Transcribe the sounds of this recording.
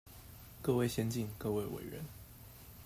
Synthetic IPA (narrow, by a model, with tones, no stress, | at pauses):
kɤ˥˧we˥˨ɪɕjɛ˥nt͡ɕi˥˧˨nkɤ˥˧we˥˩ɪwḛ˨˩ɪɻə̰˧˦n